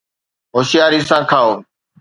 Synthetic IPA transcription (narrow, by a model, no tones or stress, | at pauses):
ɦoːʃɪjaːɾiːsãːkʰaːoː